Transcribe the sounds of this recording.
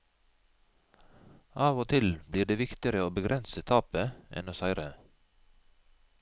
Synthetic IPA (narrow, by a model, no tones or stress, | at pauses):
ʔɑːʋoːt̪ʰɪlbliːɖeːʋɪkt̪ɪəɾəoːbəɡɾʔɛnsət̪ʰɑːpəʔɛ̰noːsæɪɾə